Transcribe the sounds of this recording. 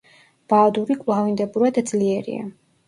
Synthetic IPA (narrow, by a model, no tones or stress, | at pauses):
b̥ad̪uɾikʼvlˠavind̪ɛbuɾad̪d̪zliɛɾḭa̰